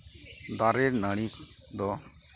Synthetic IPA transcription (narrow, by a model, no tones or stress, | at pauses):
d̪aɾɛɾnaɽ̃i | d̪ɔ